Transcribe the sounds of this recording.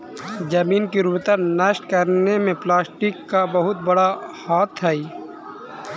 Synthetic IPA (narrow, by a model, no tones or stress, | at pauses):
d͡ʒɐmiːnkiɾuːpt̪ənəʃʈkəɾnemẽplaːsʈɪkːabɐɦʊt̪̚bɐɽahaːt̪ʰːaiː